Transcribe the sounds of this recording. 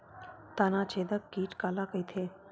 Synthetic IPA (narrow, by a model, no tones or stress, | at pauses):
t̪anat͡ʃʰed̪əkːiːʈkalakəjt̪ʰe